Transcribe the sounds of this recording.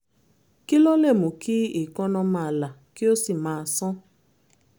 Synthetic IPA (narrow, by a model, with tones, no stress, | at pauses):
ki˦lo˦le˦˨mʊ˨ki˦i˨kɔ˦nɔ˦ma˨la˨kɪ˦o˦si˨ma˨a˨sɔ˦